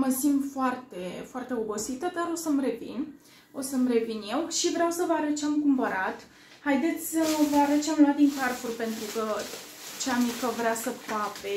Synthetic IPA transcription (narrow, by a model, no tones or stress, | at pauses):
məsimpfoart̪e̞foart̪e̞o̞bosit̪əd̪aɾo̞səmre̞vḭn | o̞səmɾe̞vinje̞wʃivɾeawsəvəaɾət͡ʃeamkumpəɾat̪ | hajd̪e̞t̪sʲsəvəaɾət͡ʃeamluat̪d̪inkarfurʲpe̞nt̪ɾukə | t͡ʃeamikəvɾeasəpape